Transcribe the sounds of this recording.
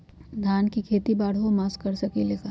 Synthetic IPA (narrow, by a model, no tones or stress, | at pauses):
d̪ʱaːnkikʰeːt̪ibaːɽomaːskɐɾsɐkeleːka